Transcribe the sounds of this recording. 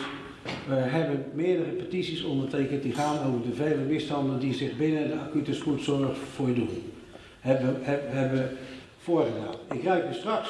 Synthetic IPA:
ʋəɦɛbənmɪːədərəpətisisɔndərteːkəntdiχaːnowvərdəveːləmɪstɑndəndizɪχbɪnəndəakytəskutsonəxfoədulˠ | ɛəɛbʋə | foərɣədaːnɪkrɛɥkəstrɑks

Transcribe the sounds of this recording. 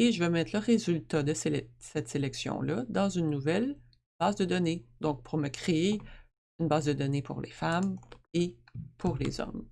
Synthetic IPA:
eʒəvɛmɛt̪χləʁezylt̪ad̪əselɛsɛt̪selɛksjɔ̰̃lʌd̪ɑ̃zynːuvɛl | b̥aːzd̪əd̪ɔned̪ɔ̃k̚pʰuʁməkχee | ynbaːzd̪əd̪ɔnepʰṵʁlḛfamepʰuʁlḛːzɔ̰m

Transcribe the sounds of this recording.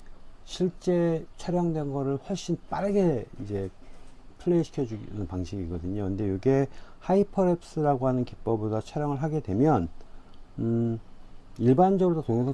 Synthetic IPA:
ɕʰiɭt͡ɕ͈e̞t͡ɕʰʌɾjʌŋdwe̞nɡʌɾɯɭhwʌɭɕ͈inp͈aɾɯɡe̞id͡ʑe̞ | pʰɯɭːeiɕʰi̥kʰjʌd͡ʑuɡnɯnpaŋɕʰiɡiɡʌdɯɲokɯnde̞joɡe̞haipʰʌɾep̚s͈ɯɾaɡoɦanɯnkip͈ʌbodat͡ɕʰʌɾjʌŋɯɭɦaɡe̞dwe̞mjʌn | iɭband͡ʑʌɡɯɾodotoŋesʰa

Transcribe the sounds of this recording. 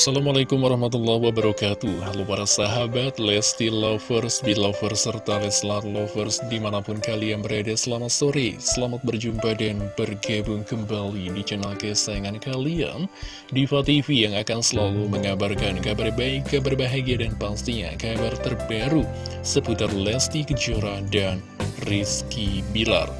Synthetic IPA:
asalamalakʊmwaɾɑhmat̪ulːahwabəɾɔkat̪uhalopaɾasaɦabat̪lɛst̪ilafərsbilafərsːərt̪alɛsəlaamat̪̚lofərsdimanapʊnkaliaŋbəɾadasəlamat̪̚soɾesəlamat̪̚bərd͡ʒumpadanb̥ərɡabʊŋkəmbalidit͡ʃənalkəsajaŋankalia̰n | difat̪ifijaŋakansəlaluməŋabarkankabarbaikabarbaɦaɡiadanpast̪iɲa̰kabart̪ərbaɾu | səput̪ərlɛst̪ikəd͡ʒuɾadan | riskibila̰r

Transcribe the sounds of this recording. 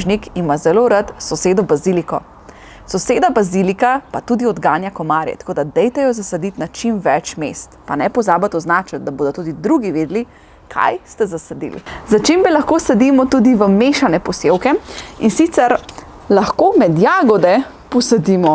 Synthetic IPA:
ʒnikimazɛloɾat̪sɔseːd̪ɔbazilikɔ | sɔseːd̪abazilikapat̪uːd̪iɔd̪ɡaːnjakɔmaːɾjɛ̰t̪ḁkoːd̪ad̪ɛjt̪ɛjɔzasad̪it̪nat͡ʃimʋɛt͡ʃmest̪panɛpɔzaːbat̪ɔznaːt͡ʃət̪̚d̪aboːd̪ɔt̪uːd̪id̪ɾuɡiʋeːd̪li | kʰa̰jst̪ɛzasad̪ḭːlḭzat͡ʃembɛlaxkoːsad̪imɔt̪ud̪iʋəmeʃanɛpɔsewkɛinsit̪sɛɾ | laxkomɛd̪jaːɡɔd̪ɛ | pɔsad̪imɔ

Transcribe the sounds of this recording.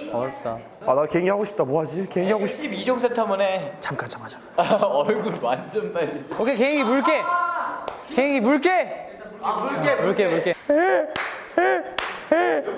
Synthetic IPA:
ʌt͈a | anakeŋiɦaɡoɕʰip̚t͈amwoɦad͡ʑikeŋiɦaɡoɕip̚ibid͡ʑoŋsʰetʰamunet͡ɕamk͈ant͡ɕamkad͡ʑa | ʌɭɡuɾmand͡ʑʌndaiokʰekeŋimuɭk͈e | keŋimuɭk͈e | muɭk͈emuɭk͈ee | e

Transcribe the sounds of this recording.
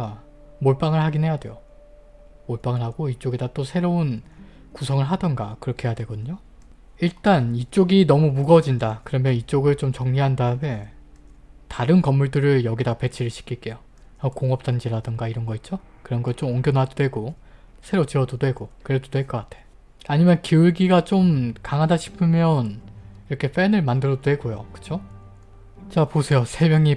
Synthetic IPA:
moɭp͈aŋɯɭhaɡinɦe̞jadwe̞̰jo | moɭp͈aŋɯɭɦaɡoit͡ɕ͈oɡedat͈osʰe̞ɾoun | kusʰʌŋɯɭɦadʌnɡakɯɾʌkʰe̞jadwe̞ɡʌdɯɲo | iɭt͈anit͡ɕ͈oɡinʌmumuɡʌd͡ʑindakɯɾʌmjʌnit͡ɕ͈oɡɯɭt͡ɕomt͡ɕʌŋɲiɦandaɯme̞ | taɾɯnkʌmːuɭdɯɾɯɭjʌɡidape̞t͡ɕʰiɾɯɭɕʰi̥kʰiɭk͈e̞jo | ʌkoŋʌp̚t͈and͡ʑiɾadɯŋɡaiɾʌnɡʌit̚t͡ɕ͈o | kɯɾʌnɡʌɭt͡ɕ͈omoŋɡjʌnɦadodwe̞ɡo | sʰe̞ɾot͡ɕiʌdodwe̞ɡokɯɾe̞dodwe̞ɭk͈ʌk͈atʰe̞̥ | aɲimjʌnkiuɭɡiɡat͡ɕ͈omkaŋɦadaɕʰi̥pʰɯmjʌniɾʌkʰe̞ɸ͈enɯɭmandɯɾʌdodwe̞ɡojo̰kɯ̥t͡ɕʰo | t͡ɕaposʰe̞josʰe̞mjʌŋi

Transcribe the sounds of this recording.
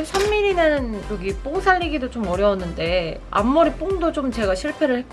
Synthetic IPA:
sʰʌmːiɾinɯnjoɡip͈oŋsʰaʎːiɡidot͡ɕ͈omʌɾjʌwʌnːɯnde̞a̰mːoɾip͈oŋdot͡ɕ͈omt͡ɕe̞ɡaɕʰiɭpʰe̞ɾɯɭhe̞k͈

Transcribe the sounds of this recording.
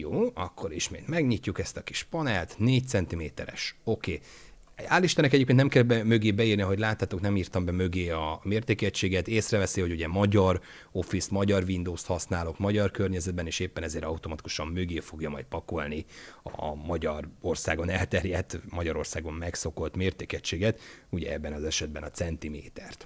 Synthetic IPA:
joːɒkːo̞ɾiʃmeːt̪mɛɡɲicːukɛst̪ɒki̥ʃpɒnɛlt̪neːc̚t̪sɛnt̪imeːt̪ɛɾɛ̰ʃo̞keː | aːlːiʃt̪ɛnɛkɛɟeːpkennɛmkɛlbɛmøɡeːbɛirniɒɦo̞ɟlaːt̪ːaːt̪oknɛmiːrt̪ɒmbɛmøɡeːɒmeːrt̪eːkɛt͡ʃːeːɡɛt̪eːsrɛvɛsihoɟuɟɛmɒɟɒr | o̞fismɒɟɒrvind̪oːst̪hɒsnaːlo̞kmɒɟɒrkørɲɛzɛd̪̚bɛneːʃeːpːɛnɛzeːɾɒut̪o̞mɒt̪iku̥ʃɒmːøɡeːfo̞ɡjɒmɒ̰jt̪̚pɒko̞lniɒ̰mɒɟɒro̞rsaːɡo̞nɛlt̪ɛrjɛt̪ːmɒɟɒɾo̞rsaːɡo̞mmɛkso̞ko̞lt̪meːrt̪eːkɛt͡ʃːeːɡɛt̪uɟɛ̰ɛbːɛnɒzɛʃɛd̪̚bɛnɒt̪sɛnt̪imḛːt̪ɛrt̪

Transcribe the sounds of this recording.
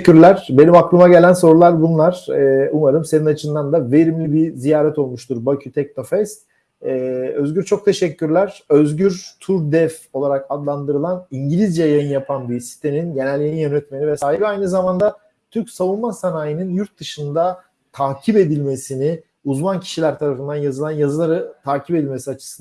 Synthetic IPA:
yɾlʲæɾ̥be̞nimaklˠɯmaɟelʲænso̞ɾulˠaɾbunlˠaɾ̥ɛumaɾɯmse̞ninat͡ʃʰɯnd̪and̪ave̞ɾimlʲibizijaːɾɛt̪o̞lˠmuʃt̪ʰuɾbacʰyt̪ʰɛc̚no̞fɛs | ɛø̞zɟyɾt͡ʃʰo̞k̚t̪ʰe̞ʃɛcʰːyɾlʲæɾøzɟyɾt̪ʰuɾd̪ɛfo̞lˠaɾakad̪lˠand̪ɯɾɯlˠaniɲɟilʲizd͡ʒajajɯnjapʰanbisi̥st̪eminɟe̞nælʲːjajinjønɛt̪me̞nivɛsaːɦibajnɯzamand̪a | t̪ʰyɾcsavunmasanaːjɯnɯnjuɾt̪̚d̪ɯʃɯnd̪a | t̪ʰaːcʰibe̞d̪ilʲme̞sini | uzmancʰi̥ʃilʲæɾt̪ʰaɾafɯnd̪anjazɯlˠanjazɯlˠaɾɯt̪ʰaːcʰibped̪ilʲme̞siat͡ʃʰɯ̥sɯn

